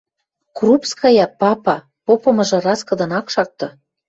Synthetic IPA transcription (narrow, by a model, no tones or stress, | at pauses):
krupskɑjɑpɑpɑ | popɤ̆mɤ̆ʒɤ̆rɑskɤ̆d̪ɤ̆nɑkʃɑk̚t̪ɤ̆